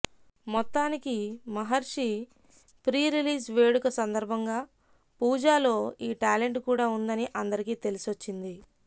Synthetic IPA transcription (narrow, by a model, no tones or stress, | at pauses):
mɔt̪ːaːnikimɐɦɐɾʂi | pɾiːɾiliːsʋe̞ːɽukɐsɐnd̪ɐɾbʱɐŋɡaː | puːd͡ʒaːlo̞ːiːʈaːle̞ɳʈkuːɽaːund̪ɐniʔɐnd̪ɐɾikiːt̪e̞lisot͡ʃːind̪i